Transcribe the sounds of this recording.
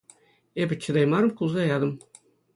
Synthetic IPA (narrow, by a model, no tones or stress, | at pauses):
ebʲɘ̆t͡ɕʰɤ̆d̪ɑjmɑɾɤ̆mkulˠzɑjɑd̪ɤ̆m